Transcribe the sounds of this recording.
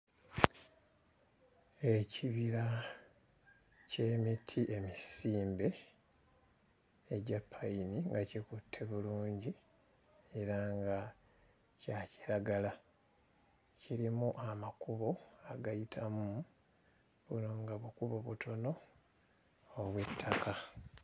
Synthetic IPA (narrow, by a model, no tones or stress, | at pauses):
e̞ciβiɾa | ce̞mitʰiʔe̞misiːmbe̞ | eɟapʰːajiniŋɡacikutʰːe̞βuluːɲɟi | e̞ɾaŋɡa | caci̥ɾaɡala | ciɾimuʔamakuβo̞aɡajitʰamu | βuno̞ŋɡaβukuβo̞βutʰo̞no̞ | βwetʰːaka